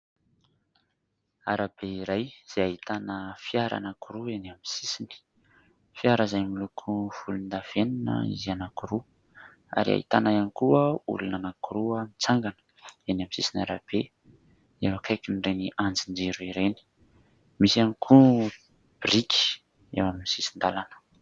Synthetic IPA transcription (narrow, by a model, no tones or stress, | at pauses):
a̰ɾab̥eiɾajz̥eaɦit̪anəfiaɾa̰nakuɾuenamisisini̥ | fiaɾəzajmilukʰuv̥ulund̪av̥enanə̰ḭzianakuɾu | a̰ɾia̰ḭt̪anajanikuəṵlunanakuɾuəmit͡saŋɡanə̥ | enamisisinaɾab̥e | ewakʰajkinreniʔand͡zind͡ʒeɾuiɾeni̥ | misianikʰu | b̥rikʰi̥ | ḛwaminisisind̪alanə̥